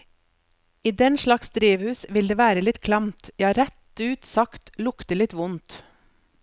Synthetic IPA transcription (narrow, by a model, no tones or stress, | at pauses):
iːd̪ɛnʃlɑksd̪ɾeːʋhʉːsʋɪld̪eːʋæːɾəlɪt̪kʰlɑmt̪jɑːɾæt̪ʉːt̪sɑkt̪lʊkt̪əlɪt̪ʋʊnt̪